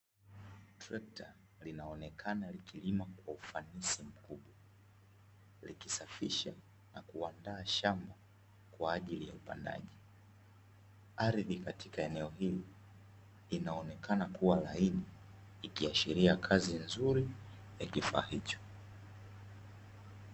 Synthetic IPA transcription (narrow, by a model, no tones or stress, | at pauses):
tɾɛk̚tʰa | linaɔnɛkʰanalikilimakwaufanisim̩kuɓwa | likisafiʃa | nakuandaːʃamba | kwaːʄilija̰upa̰nda̰ʄi | aɾiðikatʰikaɛnɛɔhili | linaɔnɛkʰanakuwalainiːkiaʃiɾiakʰazinzuɾijakifa̰ːhit͡ʃɔ̥